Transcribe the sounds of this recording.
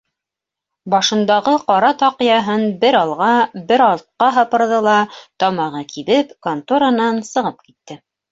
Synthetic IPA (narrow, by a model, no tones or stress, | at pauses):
bɑʃɤ̆nd̪ɑʁɤqɒɾɑt̪ɑqɤjɑɦɤnbɘɾɑlˠʁɑbɘɾɑlˠt̪̚qɑɦɑpɤ̆ɾðɤlˠɑt̪ɒmɑʁɤkʰiβɘpkont̪uɾanɑnsɤ̆ʁɤp̚kit̪ːɘ